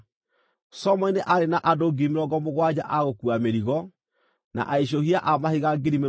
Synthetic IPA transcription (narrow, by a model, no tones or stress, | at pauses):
sɔmɔineʔaɾenaʔadoɡimeɾɔɡɔmoɣwad͡ʑaʔaɣokuameɾiɣɔ | na̰ʔaiɕ̬ohiaʔamahiɣaɡeɾime